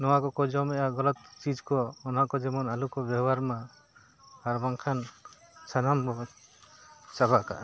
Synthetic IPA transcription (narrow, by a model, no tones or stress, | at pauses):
nɔwakɔkɔd͡ʒɔmɛʔaɡɔlɔt̪̚t͡ʃid͡ʒkɔːnɦaʔkɔd͡ʒɛmɔnalukɔbɛbaɾma | haɾbaŋkʰan | sanambɔ | t͡ʃabaʔka̰ʔ